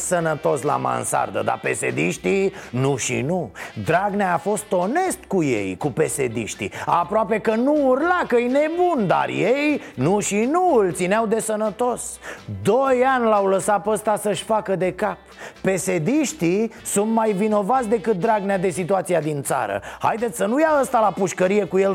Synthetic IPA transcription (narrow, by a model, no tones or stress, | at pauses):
sənət̪o̞sla̰ma̰nsa̰rd̪ə̰d̪a̰pe̞sḛd̪iʃt̪inuʃḭnud̪ɾaɡneaːfo̞st̪o̞ne̞st̪kuje̞̰jkupe̞sed̪ḭʃt̪ḭapɾoape̞kənuːrlakəjne̞bund̪a̰rjejnuʃinult̪sineawd̪e̞sənət̪o̞sd̪o̞janʲlawləsat̪̚pəst̪asəʃʲfakəd̪e̞kap̚ːe̞se̞d̪iʃt̪isunt̪majvino̞vat̪sʲd̪e̞kɨt̪̚d̪ɾaɡnead̪e̞sit̪uat̪siad̪int̪sa̰ɾə̰ha̰jd̪e̞t̪sʲsənujaəst̪alapuʃkəɾije̞kuje̞l